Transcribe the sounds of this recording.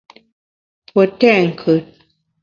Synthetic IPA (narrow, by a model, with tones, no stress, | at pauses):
pwə˨tɛ˦˨ŋ̩˨kʰɨ˨t̚